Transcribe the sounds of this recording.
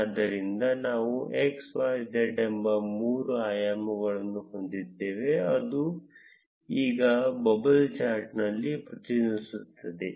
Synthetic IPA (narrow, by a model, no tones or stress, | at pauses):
ɐd̪ːɐɾind̪ɐnaːʋuʔeksʋaːjd̪eʈembɐmuːɾuaːjaːmuɡɐɭɐnːuɦo̞nd̪id̪ːeːʋe̞ɐd̪u | iːɡɐbɐbɐlt͡ʃaːɾʈnɐlːipɾɐt̪inisut̪ʰːɐd̪e